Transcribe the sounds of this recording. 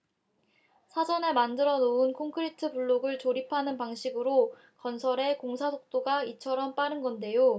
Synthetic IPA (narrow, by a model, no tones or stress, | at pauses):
sʰad͡ʑʌne̞mandɯɾʌnounkʰoŋkʰɯɾitʰɯpuɭːoɡɯɭt͡ɕoɾipʰanɯnpaŋɕʰiɡɯɾo | kʌnsʰʌɾe̞koŋsʰasʰok̚t͈oɡait͡ɕʰʌɾʌmp͈aɾɯnɡʌnde̞jo